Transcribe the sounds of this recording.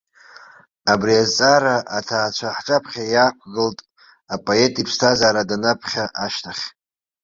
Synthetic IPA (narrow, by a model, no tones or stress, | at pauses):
abriazt͡sʼaɾaʔatʰaːt͡ʃʷʰaħʈ͡ʂʼapʰχʲajaːkʷʰɡɨltʼ | apʼoe̞tʼipʰstʰazaːɾadanapʰχʲaʔaʃtʰaχʲ